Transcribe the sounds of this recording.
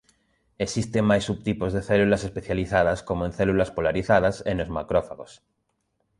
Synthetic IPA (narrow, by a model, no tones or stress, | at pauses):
esist̪eŋmajsːuβ̚t̪ipozðeθelulasespeθjaliθað̞askomoẽn̟θelulaspolaɾiθað̞asenozma̰kɾofaɣos